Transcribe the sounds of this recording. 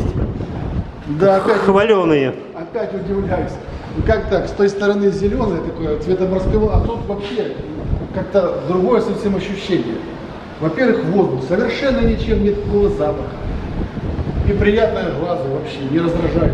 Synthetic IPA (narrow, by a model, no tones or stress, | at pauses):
d̪aɐpʲætʲxvɐlʲonɨjə | ɐpʲætʲʊdʲɪvlʲæjʊsʲ | kakt̪əkst̪o̞jst̪əɾɐnɨzʲɪlʲo̞nəjət̪ɐkojət̪vʲet̪əmɾəskɨvɐt̪ot̪vɐpɕekakt̪əd̪ɾʊɡo̞jəsɐfsʲe̞mɐɕːʉɕːenʲɪjə̰ | vɐpʲe̞rvɨxvozd̪ʊsəvʲɪrʂɛnːənʲɪt͡ɕe̞mnʲet̪klovəzapəxə̥ | nʲɪpɾʲɪjat̪̚nəjəɣlˠazəvɐpɕːenʲɪɾəzd̪ɾɐʐaj